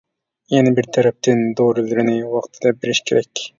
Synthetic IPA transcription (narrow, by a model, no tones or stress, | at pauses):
jɛnɪbɪɾt̪ʰɛɾɛp̚t̪ʰɪnd̪oɾɨlˠɪɾɪnɪwɑqt̪ʰɨ̥d̪ɑbɪɾɪʃkʲʰeɾɛkʲ